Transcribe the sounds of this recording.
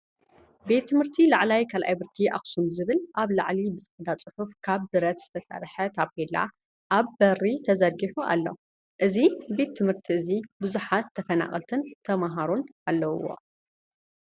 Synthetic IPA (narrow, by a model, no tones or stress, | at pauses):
be̞t̪ʰːɨmhɨɾt̪ʰilaʕlajkʰalʔa̰jbɨɾkʰiʔa̰xsumzɨβɨlʔaβla̰ʕlibɨt͡sʼɨħd̪at͡sʼɨħufkʰaβd̪ɨɾɐt̪z̥ɨt̪ʰɐsa̰ɾħɐt̪ʰap̚ʰela̰ | ʔaβbɐrit̪ʰɐzɐɡiħuʔa̰lːo̰ | ʔɨzibe̞t̪ʰːɨmhɨɾt̪ʰiʔɨzibuzuħat̪ʰːɐfɐna̰χʼɐ̰lt̪ʰɨnt̪ʰɐmaɦaɾunʔalːɐw̰wo̰